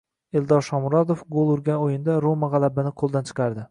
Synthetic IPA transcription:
eld̪ɒɾʃɒmʊɾɑd̪ofɡolˠʊɾɡʲanojɪnd̪aɾomaʁɑlabɪnɪqʰolˠd̪ant͡ʃʰɨ̥qʰɑɾd̪ɪ

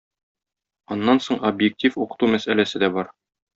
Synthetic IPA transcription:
ɒnːɑnsoɴobjek̚tʲifuqɤ̥̆t̪umæsælæsɘd̪æbɒɾ

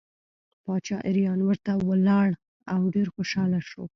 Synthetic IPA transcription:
pɑt͡ʃɑʔɪɾjɑnwəɾt̪awəlɑɽ | awɖeɾxoʃɑlaʃo

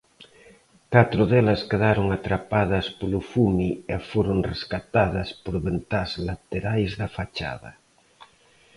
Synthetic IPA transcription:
kat̪ɾʊðelɐskeðaɾʊŋat̪ɾapaðɐspolʊfumiɛfoɾʊŋreskat̪aðɐspoɾβent̪azlat̪eɾajzðɐfat͡ʃa̰ðɐ̰

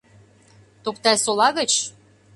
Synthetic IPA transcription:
t̪opt̪ɑjsolɑɣə̆t͡ɕ

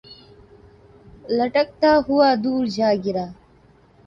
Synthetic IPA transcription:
lɐʈɐk̚t̪aːhuwaːd̪uːɾd͡ʒaːɡiɾa

